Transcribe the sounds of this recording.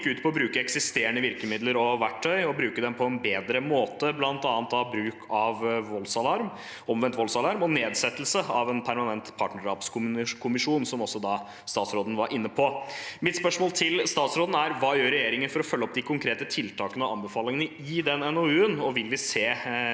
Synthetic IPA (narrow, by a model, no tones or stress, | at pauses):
kːʉːt̪pʰɔɔbɾʉːkəɛksɪst̪eːəɳəʋɪɾkəmɪd̪ləɾɔʋæʈʰːœʏɔbɾʉːkəd̪ɛmpʰɔɛnbeːd̪ɾəmoːt̪əblɑnt̪ɑːnt̪d̪ɑbɾʉːkʰɑʋʋɔlsɑlɑɾm | ɔmʋɛnt̪ʋɔlsɑlɑɾmɔneːd̪sɛt̪ːəlsəɑʋɛnpʰæɾmɑnɛnt̪pʰɑʈɳəʂɑːpskʰʊkʰʊmɪʂuːnsɔmɔsːɔd̪ɑ | st̪ɑːt̪sɾoːd̪n̩ʋɑɾʔɪnːəpʰɔmɪt̪spœʂmoːlt̪ʰɪlst̪ɑːt̪sɾoːd̪n̩æɾʋɑːjøːɾːɛjeːɾɪŋənfɔɾɔfœlːəɔp̚d̪ɪkʰʊŋkʰɾeːt̪ət̪ʰɪlt̪ʰɑːkənəɔɑ̰mbəfɑːlɪŋənə | ɪd̪ɛnɛnoʉːənɔʋɪlʋɪseː